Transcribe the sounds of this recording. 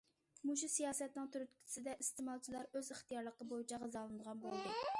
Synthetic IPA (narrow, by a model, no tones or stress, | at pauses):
muʃusijɑːsɛt̪nɨŋt̪ʰyɾyt̪kʲʰsɪd̪ɛʔist̪ɪmɑlˠt͡ʃʰilˠɑɾøzɪχt̪ijɑɾlˠəqəbojit͡ʃʰɛʁəzɑlˠɨnɨd̪əʁɑnbolˠd̪ɨ